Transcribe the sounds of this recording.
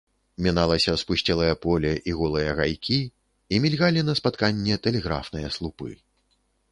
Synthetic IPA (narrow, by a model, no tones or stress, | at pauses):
mʲinalˠɐsʲɐspusʲt͡sʲɛlˠɐjɐpɔlʲɛʔiɣɔlˠɨjɐɣajkʲi | imʲilʲɣalʲinɐspat̪kanʲːɛt̪ɛlʲɛɣɾa̰fnɨjɐslˠupɨ̰